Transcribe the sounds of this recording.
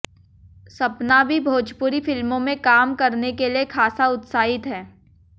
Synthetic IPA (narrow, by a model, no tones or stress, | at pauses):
sɐpnabʱibʱoːd͡ʒpʊɾifɪlmõmẽkaːmkɐɾnekeliekʰaːsaʊt̪saːɪt̪ɦɛː